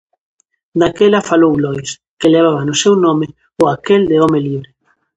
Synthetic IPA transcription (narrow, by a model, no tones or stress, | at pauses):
d̪akelafalowlɔjs | keleβ̞aβanʊsewnɔ̃me | ʊakeld̪eɔmeliβɾɪ